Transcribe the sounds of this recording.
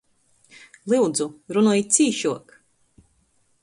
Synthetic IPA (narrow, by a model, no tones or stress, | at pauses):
lˠɨwd̪zuɾunuɔjit̪sʲiːʃuɔk